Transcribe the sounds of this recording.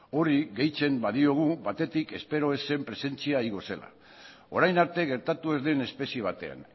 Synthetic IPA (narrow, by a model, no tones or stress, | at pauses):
o̞ɾiɣe̞jt͡se̞mbaðio̞ɣ̞uβat̪e̞t̪ike̞spe̞ɾo̞e̞se̞mpɾe̞se̞nt͡siaiɣo̞se̞la̰ | o̞ɾajnaɾt̪e̞ɣ̞e̞ɾt̪at̪ue̞zðe̞ne̞spe̞sie̞β̞at̪e̞a̰n